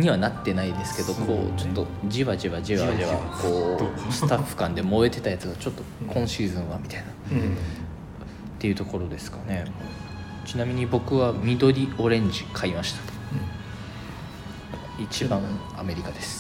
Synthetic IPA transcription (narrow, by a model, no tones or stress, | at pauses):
ɲ̟iβanat̪ːe̞naid̪e̞sɨ̥ke̞d̪o̞kʰo̞̰ːt͡ɕo̞t̪ːo̞ | d͡ʑiβad͡ʑiβad͡ʑiβadeβako̞ːsɨ̥t̪aɸːɯ̟̥kãnd̪e̞mo̞et̪e̞t̪ajat͡sɨɡat͡ɕo̞t̪ːo̞kʰõ̞ɰ̃ɕiːzɨ̃ɰ̃βamʲit̪aina | t̪ːe̞iɯ̟t̪o̞ko̞ɾo̞d̪e̞sɨ̥kane̞ | t͡ɕinamʲiɲ̟ibo̞kɯ̟βamʲid̪o̞ɾʲio̞ɾẽ̞ɲ̟d͡ʑikʰaimaɕi̥t̪ḁ | it͡ɕibãŋ̃ | a̰me̞ɾʲikad̪e̞sɨ̥